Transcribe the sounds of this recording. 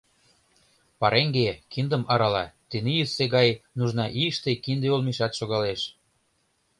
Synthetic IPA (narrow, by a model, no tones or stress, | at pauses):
pɑɾʔeŋɡekind̪ə̆mɑɾɑlɑt̪enijyseɣɑjnuʒnɑʔiəʃt̪ekind̪eolmiʃɑt̪ʃoɣɑleʃ